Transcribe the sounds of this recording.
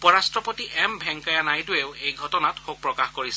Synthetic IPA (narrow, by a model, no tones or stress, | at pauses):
upɔɹastɹɔpotiʔɛmbʱɛŋkajanajdʊeʊejɡʱɔtɔnatxok̚pɹɔkaxkoɹisɛ